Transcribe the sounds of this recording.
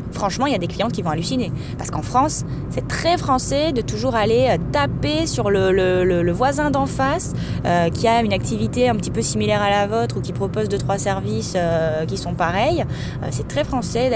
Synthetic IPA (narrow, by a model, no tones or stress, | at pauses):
fχɑ̃ʃmɑ̃iljad̪eklijɑ̃t̪̚kʲivɔ̃alysine | paʁsəkɑ̃fχɑ̃sː | ɛt̪χɛfχɑ̃sɛd̪ət̪uʒuʁaleøt̪apesyʁlələlələvwazɛ̃d̪ɑ̃fas | økʲʰiaynak̚t̪ivit̪eɛ̃pət̪ipøsimilɛʁalavot̪χukʲipχɔpozd̪ət̪χwasɛʁvisøkʲisɔ̃paʁɛj | ø̰sɛt̪χɛfχɑ̃sɛ